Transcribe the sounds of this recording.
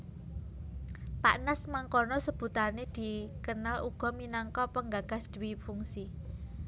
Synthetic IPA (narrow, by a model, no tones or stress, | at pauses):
paʔnasmaŋkɔnɔsəb̥ṳt̪aned̪̥i̤kənaluɡ̥ɔ̤minaŋkɔpəŋɡaɡ̥a̤sd̪̥əwifuŋsi